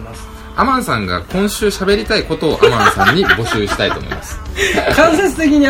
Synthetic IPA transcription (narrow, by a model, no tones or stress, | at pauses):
amãnsãŋɡa̰kõ̞ɰ̃ɕɨːɕabe̞ɾʲit̪aiko̞t̪o̞ːʔamãnsãɲ̟ːibo̞ɕɨːɕi̥t̪ait̪o̞ːmoḭimasɨ̥kãɰ̃s̬et͡sɨ̥t̪e̞k̬ʲiɲ̟i